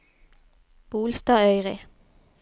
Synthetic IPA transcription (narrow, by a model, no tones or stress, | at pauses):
b̥uːlst̪ɑːœʏʁɪ